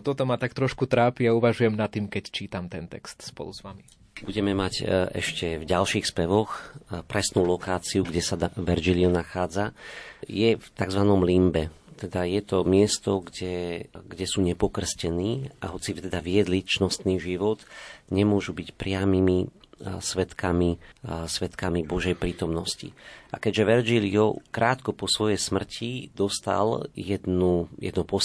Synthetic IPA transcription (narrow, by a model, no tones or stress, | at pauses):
t̪ɔt̪ɔmat̪akt̪ɾɔʃkut̪ɾaːpiauʋaʒujɛmnat̪ːiːmkɛct͡ʃiːt̪amt̪ɛnt̪ɛ̰kst̪spɔ̰luzʋami | buɟɛmɛmacɛ̰ʃcɛvɟalʃixspɛʋɔxpɾɛsnuːlɔkaːt͡siuɡɟɛsaʋɛɾd͡ʒilɪɔnaxaːd͡zajɛft̪aɡzʋanɔmlimbɛt̪ɛd̪ajɛt̪ɔmɪɛst̪ɔɡɟɛɡɟɛsuːɲɛpɔkr̩scɛniːaɦɔt͡sit̪ɛd̪aʋɪɛd̪lit͡ʃnɔst̪niːʒiʋɔt̪ɲɛmʊɔʒubicpɾɪamimisʋɛt̪kamisʋɛt̪kamibɔʒɛjpɾiːt̪ɔmnɔscḭʔakɛɟʒɛʋɛɾd͡ʒiliɔkɾʔaːt̪kɔpɔsʋɔjɛjsmr̩cʰid̪ɔst̪a̰ljɛd̪nujɛ̰d̪nɔpɔ